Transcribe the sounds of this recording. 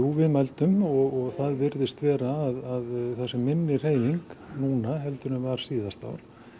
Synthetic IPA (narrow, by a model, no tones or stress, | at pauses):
uvɪðmalt̪ʏmɔɣɔɣθaðvɪɾðɪst̪vɛːɾaːðaðθɛsːɪmːɪnːɪr̥eːjiŋknuːnaɦɛlt̪ʏɾʏmvaɾ̥siːðast̪a̰wɾ̥